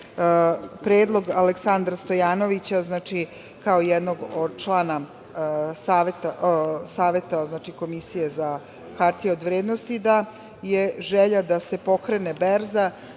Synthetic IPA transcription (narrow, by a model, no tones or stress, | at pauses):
pɾeːd̪lˠo̞ɡaleksand̪ɾast̪o̞jaːno̞ʋit͡ɕaznaːt͡ʃi | kaojɛd̪no̞ɡod̪̚t͡ʃlˠaːna | saːʋet̪asaːʋe̞t̪aznaːt͡ʃiko̞misijeza | xaɾt̪ieod̪ʋɾeːd̪nost̪id̪a | jeʒeʎad̪ase̞po̞kɾenebeɾza